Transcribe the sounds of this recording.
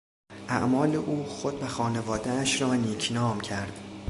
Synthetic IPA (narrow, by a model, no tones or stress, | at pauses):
ʔæ̰ʔmɒːle̞ʔuːxod̪væxɒːne̞vɒːd̪eæʃɾɒːniːcʰnɒːmcʰæɾd̪̥